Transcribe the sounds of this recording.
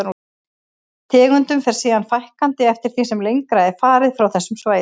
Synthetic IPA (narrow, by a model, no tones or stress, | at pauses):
t̪ʰɛːɣʏnt̪ʏmfɛɾ̥siːðanfajhkant̪ɪɛft̪ɪɾ̥θisɛmlejŋkɾaɛɾ̥faːɾɪðfɾawθɛsːʏmsvaːj